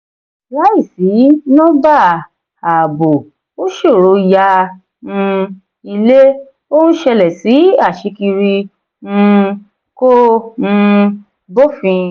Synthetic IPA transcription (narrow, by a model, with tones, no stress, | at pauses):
la˦i˦˨si˨˦nɔ̃˦ba˦˨ | a˨bo˨ | o˦ʃo˦˨ɾo˨˧˦ja˧ | nũ˧ | i˧le˦ | o˦nũ˦ʃɛ˧lɛ˨si˨˦a˦˨ʃi˨˧˦ki˧ɾĩ˧ | kõ˦˧ | bo˦fĩ˧